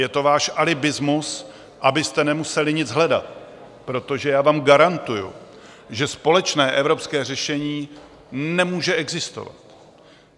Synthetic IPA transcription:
jɛt̪o̞vaːʃʔalɪbɪzmus | ʔabɪst̪ɛnɛmusɛlɪɲɪd͡zɦlɛda̰t̪̚ | pɾo̞t̪o̞ʒɛjaːvaːmɡaɾant̪ujṵ | ʒɛspo̞lɛt͡ʃnɛːʔɛvɾo̞pskɛːrɛʃɛɲiː | nɛmuːʒɛɛɡzɪst̪o̞̰va̰t̪

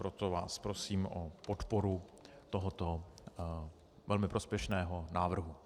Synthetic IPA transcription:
pɾot̪ova̰ːspɾosiːmʔopot̪poɾut̪oɦot̪o | vɛlmɪpɾospjɛʃnɛːɦonaːvr̩ɦu

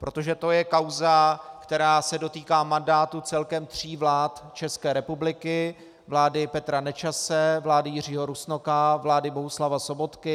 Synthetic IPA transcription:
pɾʔo̞t̪o̞ʒɛt̪o̞jɛkawzakt̪ɛɾaːsɛdo̞t̪iːkaːmandaːt̪ut͡sɛlkɛmt̪r̝̥iːvlaːt̪t͡ʃɛskɛːɾɛpublɪkɪ | vlaːdɪpɛt̪ɾanɛt͡ʃasɛvlaːdɪjɪr̝iːɦo̞ɾusnokavlaːdɪbo̞ɦuslavaso̞bo̞t̪kɪ

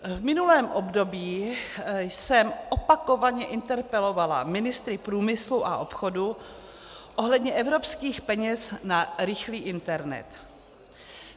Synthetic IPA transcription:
vmɪnulɛːmʔobdo̞biːjsɛmʔopako̞vaɲɛʔɪnt̪ɛɾpɛlo̞vala̰mɪnɪst̪ɾɪpɾuːmɪsluʔaʔo̞pxo̞du | ʔo̞ɦlɛdɲɛʔɛvɾo̞pskiːxpɛɲɛsnaɾɪxliːʔɪnt̪ɛɾnɛ̰t̪

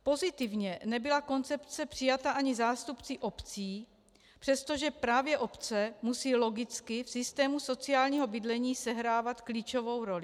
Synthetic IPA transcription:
po̞zɪt̪ɪvɲɛnɛbɪlako̞nt͡sɛpt͡sɛpr̥ɪjat̪aʔaɲɪzaːst̪upt͡sɪʔo̞pt͡siː | pr̝̥ɛst̪o̞ʒɛpɾaːvjɛʔopt͡sɛmusiːlo̞ɡɪt͡skɪfsɪst̪ɛːmuso̞t͡sɪaːlɲiːɦo̞bɪd̪lɛɲiːsɛɦɾaːvat̪kliːt͡ʃo̞vo̞wɾo̞lɪ

